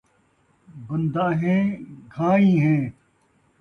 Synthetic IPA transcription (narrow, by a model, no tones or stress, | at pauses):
bʊnd̪aːɦẽːɡʱaːĩːɦẽː